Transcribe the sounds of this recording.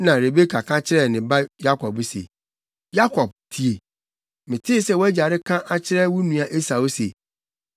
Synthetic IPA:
nã˨ɾe˨be˦kʰa˨kʰã˦t͡ɕʰɪ˦ɾɛ˦˨nɪ̃˨ba˦ja˦kʰɔ˨bsḛ˨ | ja˦kʰɔ˨b̚tʰi˨e˨ | mɪ̃˨tʰɪ˦sɛ˦wɔ˦æ˦d͡ʑa˨ɾɪ˦kʰã˦ʔa˦t͡ɕʰɪ˦ɾɛ˦wʊ˦nũ˨a˨ʔe˦sa˨wo˦se˨

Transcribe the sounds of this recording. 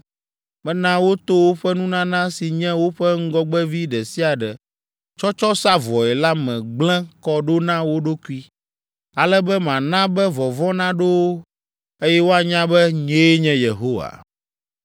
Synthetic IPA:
mɛ̃˦nã˦wo˦t̪o˦wo˦ɸɛ˦nũ˦nã˦nã˦si˨ɲɛ̃˦wo˦ɸɛ˦ŋ̩˦ɡɔ˦ɡ͡bɛ˦vi˦ɖɛ˨si˦a˨ɖɛ˨ | t͡ʃɔ˦t͡ʃɔ˦sa˦vɔ˨ɛ˨la˦mɛ̃˨ɡ͡blɛ̃˦kɔ˦ɖo˦nã˦wo˦ɖo˦ku˦i˦ | a˨lɛ˦bɛ˦mã˨nã˦bɛ˦vɔ˨vɔ̃˦nã˦ɖo˦wo˦ | e˦jɛ˦wo˦a˨ɲã˦bɛ˦ɲẽ˦ɲɛ̃˦je˨ɦo˦wa̰˨

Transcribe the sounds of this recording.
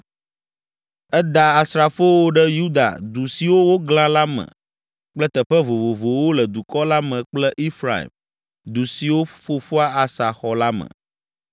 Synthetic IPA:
ɛ˦d̪a˨a˨sɾa˨fo˦wo˦ɖɛ˦ju˦d̪a̰˨d̪u˨si˨wo˦wo˦ɡl̃ã˦la˦mɛ̰̃˨ | k͡plɛ˦t̪ɛ˨ɸɛ˦vo˨vo˨vo˨wo˦lɛ˨d̪u˨kɔ˦la˦mɛ̃˨k͡plɛ˦ʔi˦fɾa̰˨ḭ˨m | d̪u˨si˨wo˦fo˨fu˦a˦a˨sa˨xɔ˨la˦mə̰̃˨

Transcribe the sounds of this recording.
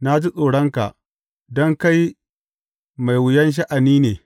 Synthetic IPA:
na˦d͡ʒi˦sʼoː˨ɽɔ˦ŋka̰˨ʔ | dɔ˦ŋka˦j | ma˨jwʊ˨jɐ˦nʃ̬ɐ˦ʔa˨niː˦neː˨

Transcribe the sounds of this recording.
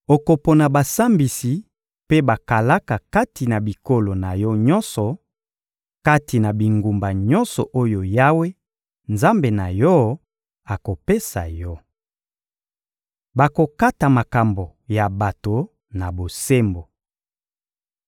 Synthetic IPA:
o˨ko˨po˨na˨ba˨sa˦mbi˨si˨ | pe˦ba˨ka˨la˦ka˨ka˦ti˨na˨bi˨ko˦lo˨na˨jɔ˦ɲɔ˦nsɔ˨ | ka˦ti˨na˨bi˨ŋɡu˨mba˨ɲɔ˦nsɔ˨ʔo˦jo˨ja˦we˦ | nza˦mbe˨na˨jɔ˦ | a˨ko˨pe˦sa̰˨jɔ˦ | ba˨ko˨ka˦ta˨ma˨ka˨mbo˨ja˨ba˨to˨ | na˨bo˨se˦mbo˨

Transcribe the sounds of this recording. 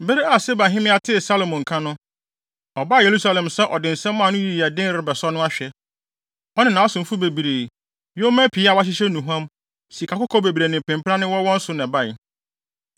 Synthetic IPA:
be˦ɾi˦a˨se˦ba˨ɦɪ̃˦mɪ̃˦a˨tʰɪ˦˨sa˦lo˨mʊ̃˨ŋ̩˨kʰã˦nʊ̃˦ | ɔ˨ba˦˨je˨ɾu˦sa˦lɛ̃˨msɛ˦ʔɔ˨dɪ˨n̩˨sɛ̃˦mːãː˦˨nʊ̃˦ji˦˨i˨a˨dɪ̃˦n˦ɾɪ˨bɛ˨sɔ˦nʊ̃˦a˦ɕᶣɛ˨ | ɔ˦nɪ̃˦nã˨ɔ˦sʊ̃˨m̩˨fu˦be˨bi˨ɾeː˨ | jo˦mæ̃˦pʰi˨˦a˨wa˦ɕ̬ɪ˦ɕɛ˦nũ˨ɦu˦ã˦m | si˨kʰa˨kʊ˦kʰɔ˦be˨bi˨ɾe˨nɪ̃˨pʰɪ̃˨m˦pʰã˦nɪ̃˦wɔ˦wɔ̃˦n̩˦sʊ˦nɛ̃˨ba˦˨ɪ˨

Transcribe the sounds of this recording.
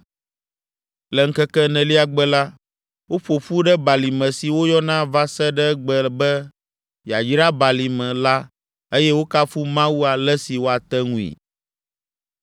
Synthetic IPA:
lɛ˨ŋ̩˦kɛ˦kɛ˦nɛ̃˨li˦a˨ɡ͡bɛ˦la˦ | wo˦ɸo˨ɸu˦ɖɛ˦ba˨li˨mɛ̃˨si˨wo˦jɔ˦nã˦va˦sɛ˦ɖɛ˦ɡ͡bɛ˨bɛ˦ | jja˨d͡ʒi˦ɾa˦ba˨li˨mɛ̃˨la˦ | e˦jɛ˦wo˦ka˦fu˦mã˦wu˦a˨lɛ˦si˨wo˦a˨t̪ɛ˦ŋũ˦ḭ˨

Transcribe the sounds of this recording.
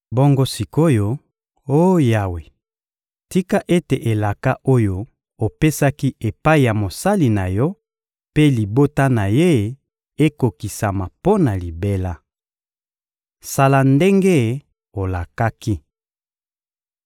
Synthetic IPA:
bo˦ŋɡo˦si˨ko˦jo˦ | o˦ja˨we˨ | ti˦ka˦ʔe˦te˨ʔe˨la˨ka˦ʔo˦jo˦ | o˨pe˦sa˦ki˦ʔe˨pa˦i˨ja˨mo˨sa˦li˨na˨jɔ˦ | pe˦li˨bo˦ta˦na˨je˦ | e˦ko˨ki˨sa˨ma˨po˦na˨li˨be˦la˦ | sa˨la˨nde˦ŋɡe˦ | o˨la˨ka˦ki˦

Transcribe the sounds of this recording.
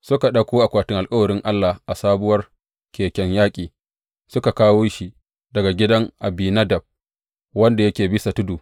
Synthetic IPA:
sʊ˦ka˨ɗɐ˦kʷoː˦ʔa˨kʷaː˨tɪ˦ŋʔa˨lkʼɐ˦wɐ˨ɾɪ˦ŋʔa˦lːa˨hʔa˨saː˦bʊ˦wɐ˦r | kʲeː˨kʲɛ˦ɲjaː˦kʲʼiː˨ | sʊ˦ka˨kaː˦woː˦ʃi˦ | dɐ˨ɡa˨ɡʲɪ˦dɐ˦ŋʔa˨biː˨nɐ˦dɐ˨b̚ | wɐ˦nda˨jɐ˦kʲeː˨bɪ˦sa˨tʊ˦duː˨

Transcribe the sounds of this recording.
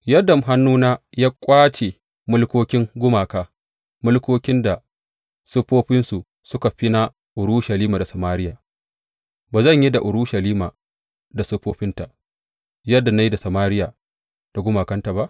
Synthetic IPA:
jɐ˦dɐ˨m˨ɦa˦nːuː˦naː˦jaː˦kʷʼaː˦t͡ʃe˨ | mʊ˦lkʷoː˦kʲɪ˦ŋɡʷʊ˦maː˨kaː˦ | mʊ˦lkʷoː˦kʲɪ˦nda˨ | sʊ˦ɸoː˦ɸɪ˦nsu˨ | sʊ˦ka˨ɸi˦na˦ | ʔʊ˨ɾu˦ʃɐ˨liː˦ma˨da˨sɐ˨maː˦ɾɪ˦jaː˨ | baː˨zɐ˦˨ɲji˦da˨ʔʊ˨ɾu˦ʃɐ˨liː˦maː˨ | da˨sʊ˦ɸoː˦ɸɪ˦nta˨ʔ | jɐ˦dːa˨na˦ji˦da˨sa˨maː˦ɾɪ˦jaː˨ | d̥a˨ɡʷʊ˦maː˨kɐ˦nta˨ba˦ʔ

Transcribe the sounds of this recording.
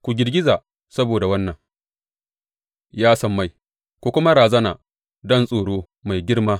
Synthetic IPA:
kʷu˨ɡʲɪ˨rɡʲɪ˦zaː˨ | sɐ˦boː˨da˨wɐ˦nːɐ˨ŋ | jaː˦sɐ˨mːa˦j | kʷu˨kʷʊ˦ma˦ɽaː˨zɐ˦naː˨ | dɔ˦nsʼoː˨ɽoː˦ | ma˨jɡʲɪ˦rmaː˦

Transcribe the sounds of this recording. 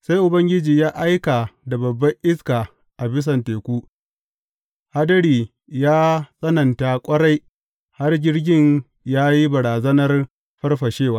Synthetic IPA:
sa˦jʔʊ˨bɐ˦ŋɡʲɪ˦d͡ʒiː˨jaː˦ʔa˦jka˨da˨bɐ˨bːɐ˦ʔɪ˦skaː˨ | ʔa˨bɪ˦s̬ɐ˨nteː˨kʷuː˦ | ha˦dɐ˦ɽiː˨ | jaː˦sʼɐ˦nɐ˨ntaː˨kʷʼɐ˦ɽa˦j | ha˦rd͡ʒʲɪ˦rɡʲɪ˦ɲ | jaː˦ji˦bɐ˨ɾaː˨zɐ˦nɐ˦r | ɸɐ˦rɸɐ˨ʃeː˦˨waː˦

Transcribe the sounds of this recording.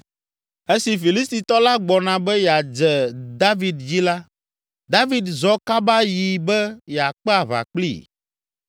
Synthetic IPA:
e˦si˨fi˨li˦st̪i˨t̪ɔ˦la˦ɡ͡bɔ˨nã˨bɛ˦jɛ˨a˨d͡ʒɛ˨d̪a˦vi˨d̪d͡ʑi˦la˦ | d̪a˦vi˨d̪zɔ˦ka˦ba˦ji˨bɛ˦jɛ˨a˨k͡pɛ˦a˨βa̰˨k͡plḭ˦

